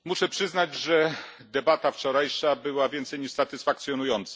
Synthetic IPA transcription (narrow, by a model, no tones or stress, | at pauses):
muʂɛpʂɘznad͡ʑʐɛ | d̪ɛbat̪aft͡ʂɔɾajʂabɘwavʲjɛnt̪sɛjɲiʂsat̪ɘsfakt̪sʲjɔnujɔnt̪sa